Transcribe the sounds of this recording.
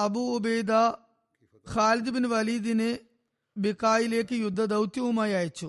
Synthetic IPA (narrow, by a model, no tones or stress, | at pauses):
ɐbuubejd̪aː | xaːlid̪ubinuʋɐliːd̪ine | bikaːjileːkijud̪ʱːɐd̪ɐwt̪jumɐjaːjit͡ʃːu